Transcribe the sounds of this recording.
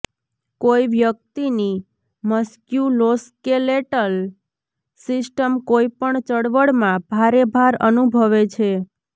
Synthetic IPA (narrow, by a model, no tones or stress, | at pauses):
koiʋjək̚t̪ini | məskjuloskeleʈəl | sɪsʈəmkoipəɳt͡ʃəɽʋəɽmãbʱaɾebʱaɾənubʱəʋet͡ʃʰe